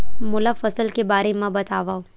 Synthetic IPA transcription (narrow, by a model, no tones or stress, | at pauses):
mʊlafɐsəlkebaːɾemãbɐt̪aːʋaːo